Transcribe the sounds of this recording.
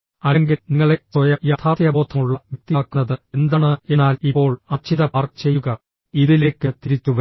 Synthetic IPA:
ɐleŋɡilniŋːɐɭe̞sojɐjat̪ʰaːt̪jɐboːt̪ʰːɐmuɭːɐmuk̚t̪iːkːunːɐðɨend̪ɐɳɨe̞naːlipːo̞ːɭɐt͡ɕʰiðɐpaːrkɨ̥t͡ɕe̞jːuɣɐ | iðile̞ːkːɨt̪iɾit͡ɕːuʋɐ

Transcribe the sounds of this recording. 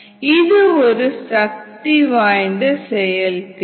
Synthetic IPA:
ɪðɯɔɾɯsɐk̚t̪iʋaːjnd̪ɐsɛjɐlk

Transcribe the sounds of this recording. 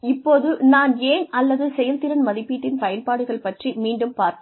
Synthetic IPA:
ɪpːoːðɯnaːneːnɐlːɐðɯsɛjɐlt̪ɪɾɐnmɐðɪpːiːʈːɪnpɐjɐnpaːɽɯɣɐɭpɐʈrimiːɳɖɯmpaːɾt̪

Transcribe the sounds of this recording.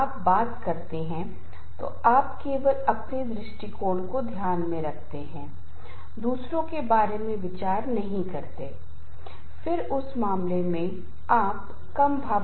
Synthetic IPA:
aːpbaːt̪kɐɾt̪eɦɛ̃ | t̪o̰aːpkeːʋəlɐk̚t̪eːd̪ɾɪʃʈikoːnkod̪ʱjaːnmẽɾɐkʰt̪eɦɛ̃ː | d̪uːsɾõkebaːɾemẽʋɪt͡ʃaːɾnɐɦĩkɐɾt̪eː | fɪɾʊsmaːmlemẽ | aːp | kɐmbʱaː

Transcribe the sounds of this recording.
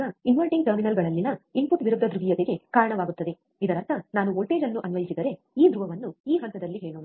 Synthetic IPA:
ɐinʋɐlʈiŋɡʈɐɾminɐlɡɐɭɐlːinɐimput̪ʋiɾud̪ːɐd̪ɾuɡijɐd̪eɡe̞kaːɾɐɳɐʋaːɡut̪ːɐd̪e̞ | id̪ɐɾɐt̪ɐnaːnuolʈeːd͡ʒɐnːuʔɐnʋɐjisid̪ɐɾe̞ | iːd̪ɾuʋɐʋɐnːuiːɦɐnt̪ɐd̪ɐlːiɦeːɭoːɳ

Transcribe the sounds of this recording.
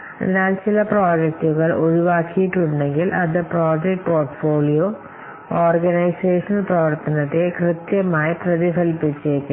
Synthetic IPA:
ɐ̰ðinaːlt͡ɕilɐproːd͡ʑek̚ʈuɣɐɭʔoɻiʋaːkːijiʈːuɳɖe̞ŋɡilʔɐd̪ɐproːd͡ʑek̚ʈpoːrʈfoːlijoː | oːrɡɐnɐjseːʂɐnprɐʋɐrt̪ɐnɐt̪ːekrɨt̪jɐmaːjiprɐðiɦɐlpit͡ɕːeːkːɨ

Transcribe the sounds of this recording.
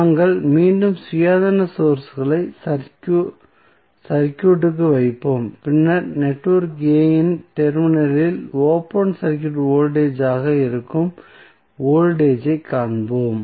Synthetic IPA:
naːŋɡɐɭmiːɳɖɯmsʊjaːðɐnɐsoːɾsɯɣɐɭɐɪsɐkː | sɐɾkʲːjuʈːɯk̬ːɯʋɐɪpːoːmpɪnːɐɾnɛʈːʋɐɾkɡeːjɪnʈɛɾmɪnɐlɪloːpɐɳsɐɾkjuːʈoːlɖeːd͡ʒaːɣɐɪɾɯkːɯm | oːlɖeːd͡ʒɐɪkːaːɳboːm

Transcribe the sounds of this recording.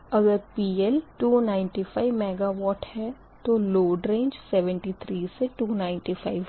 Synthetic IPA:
ɐɡəɾpiːɛlʈuːnaːɪ̃nʈifʰaɪʋmɛːɡaʋɔːʈhɛː | t̪oloːɖɾẽːɲd͡ʒsɛʋə̃ɳʈit̪ʰɾiːseʈuːnaːɪ̃ɳʈifʰaːɪʋ

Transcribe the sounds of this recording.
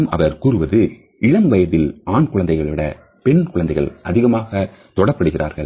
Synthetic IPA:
mʔɐ̰ʋɐɾkuːɾɯʋɐðɯ | ʔɪɻɐmʋɐjɐðɪlaːɳkʊɻɐnd̪ɐɪɣɐɭʋɪɽɐ̰ | pɛnkʊɻɐnd̪ɐɪɣɐ̰ɭʔɐðɪɣɐmaːɣɐ | t̪ɔɽɐpːɐɽɯɣɪrʔaːɾɣɐɭ

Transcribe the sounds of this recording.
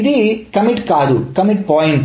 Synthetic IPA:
id̪ikɐmiʈkaːd̪ukɐmiʈ̚pɔːjiɳʈ

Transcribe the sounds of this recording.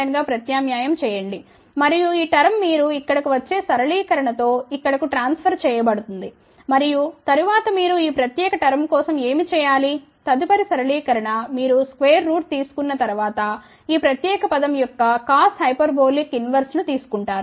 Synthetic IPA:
ɐŋɡaːpɾɐt̪jaːmjaːjɐmt͡ʃɛːjɐɳɖi | mɐɾijuiːʈɐɾɐmːiːɾuikːɐɽɐkuʋɐt͡ʃːe̞ːsɐɾɐɭiːkɐɾɐɳɐt̪o̞ːikːɐɽɐkuʈɾaːnspʰɐɾt͡ʃɛːjɐbɐɽut̪und̪i | mɐɾijut̪ɐɾuʋaːt̪ɐmiːɾuiːpɾɐt̪jɛːkɐʈɐɾɐmkɔːsɐme̞ːmit͡ʃɛːjaːli | t̪ɐd̪ipɐɾisɐɾɐɭiːkɐɾɐɳɐmiːɾuskʋeːɾːuːʈ̚t̪iːsu̥kunːɐt̪ɐɾuʋaːt̪ɐ | iːpɾɐt̪jɛːkɐpɐd̪ɐmjɔkːɐkaːshɐjpɐɾboːlikinʋɐɾsnut̪iːsu̥kuɳʈaːɾu

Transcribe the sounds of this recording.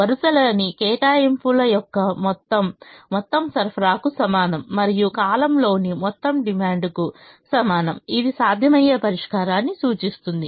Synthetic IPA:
ʋɐɾusɐlɐnikɛːʈaːjimpulɐjɔkːɐmɔt̪ːɐmmɔt̪ːɐmsɐɾpʰɾaːkusɐmaːnɐmːɐɾijukaːlɐmlo̞ːnimɔt̪ːɐmɖimaːɳɖku | sɐmaːnɐmid̪isaːd̪ʱjɐmɐjeːpɐɾiʂkaːɾaːnːisuːt͡ʃist̪und̪i

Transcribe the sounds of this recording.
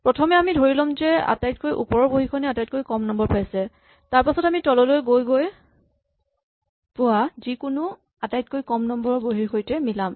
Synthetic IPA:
pɹɔtʰɔmɛamidʱoɹilɔmzɛa̰tajtkojʔṵpɔɹɔɹboɦikʰɔnɛatajt̚kojkɔmnɔmbɔɹpʰajsɛ | taɹpasɔtamitɔlɔlojɡojɡoj | pʊazikʊnʊ | atajt̚kojkɔmnɔmbɔɹɔboɦixʰojtɛmilam

